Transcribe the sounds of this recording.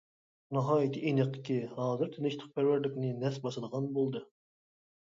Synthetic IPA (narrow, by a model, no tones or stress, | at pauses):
nɨɦɑːjit̪ʰɪʔenəqːə̥kʲihɑːzɨɾt̪ʰɪnɪʃt̪ʰəq̚pʰæɾwæɾlɪkʲnɪnɛsbɑsəd̪əʁɑnbolˠd̪ɨ